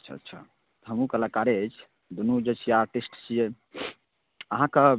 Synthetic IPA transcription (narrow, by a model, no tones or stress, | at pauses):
ətːt͡ʃʰə̰tːʃʰa̰ | t̪ɦəmukəlakaɾet͡ʃʰ | d̪unud͡ʒet͡ʃʰiaɾʈisʈt͡ʃʰije | əɦãkə